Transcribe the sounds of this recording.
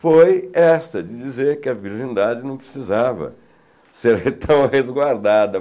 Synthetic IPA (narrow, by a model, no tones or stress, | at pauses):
fojɛst̪ɐd͡ʒɪd͡ʒizeɾkɪɐviɾʒĩnid̪ad͡ʒɪnɐ̃w̃pɾɪsizavɐ̰ | seɾet̪ʰɐ̃w̃hezɡwaɾd̪ad̪ɐ